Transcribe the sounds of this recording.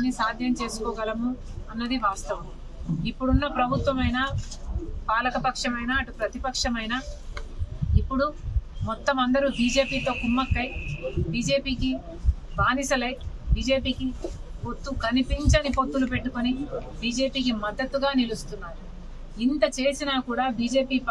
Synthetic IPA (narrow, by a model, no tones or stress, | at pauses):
nːisaːd̪ʱjɐmt͡ʃe̞ːsu̥kɔːɡɐlɐmuɐnːɐd̪iʋaːst̪ɐʋɐm | ipːuɽunːɐpɾɐbʱut̪ʋɐmɐjnaː | paːlɐkɐpɐkʂɐmɐjnaːɐʈupɾɐt̪ipɐkʂɐmɐjnaː | ipːuɽumɔt̪ːɐmɐnd̪ɐɾubiːd͡ʒe̞ːpiːt̪o̞ːkumːɐkːɐjbiːd͡ʒe̞ːpiːki | baːnisɐlɐjbiːd͡ʒeːpiːkipo̞t̪ːukɐnipiɲt͡ʃɐnipo̞t̪ːulupe̞ʈːukonibiːd͡ʒe̞ːpiːk̬imɐd̪ːɐt̪ːuɡaːnilust̪unːaːɾu | int̪ɐt͡ʃe̞ːsinaːkuːɽaːbiːd͡ʒe̞ːpiːp